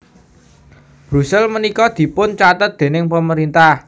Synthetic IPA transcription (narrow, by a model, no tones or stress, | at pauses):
b̥ɾṳsɛlmənikɔd̪̥i̤pʊnt͡ʃat̪ət̪̚d̪̥e̤nɪŋpəməɾint̪ah